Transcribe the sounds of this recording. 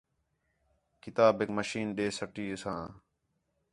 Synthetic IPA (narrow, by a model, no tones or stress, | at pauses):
kɪt̪aːbɪkməʃiːnɗeːsəʈiːsãː